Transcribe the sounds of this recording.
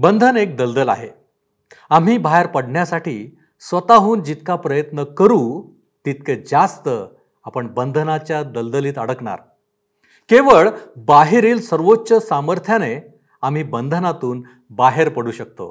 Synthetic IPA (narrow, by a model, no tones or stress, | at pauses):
bənd̪ʱənek̚d̪əld̪əla̰ɦe | am̤iːbʱaɦeɾpəɽɳjasaʈiː | sʋət̪aɦuːnd͡ʑit̪kapɾəjət̪nəkəɾuː | t̪it̪ked͡zast̪ə | apəɳbənd̪ʱənat͡ɕjad̪əld̪əliːt̪əɽ̤əkɳa̰ɾ | keʋəɭbaɦeɾiːlsəɾʋotːɕəsaməɾt̪ʰjane | am̤iːbənd̪ʱənat̪uːn | baɦeɾpəɽuɕək̚t̪o̰